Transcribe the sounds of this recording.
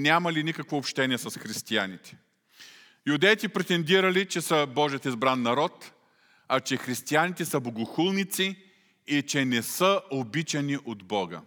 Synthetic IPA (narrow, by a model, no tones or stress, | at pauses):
nʲamɐlinikəkvoːpʃt̪ɛniɛsɐsxɾist̪ia̰nit̪ɛ̥ | jʊd̪ɛjt̪ipɾɛt̪ɛnd̪iɾɐlit͡ʃɛsəbɔʒiət̪izbɾanːɐɾɔt̪ | ɐt͡ʃɛxɾist̪ianit̪ɛsəboɡʊxulˠnit̪siː | t͡ʃɛnɛsəobit͡ʃɐniʔod̪bɔɡə̰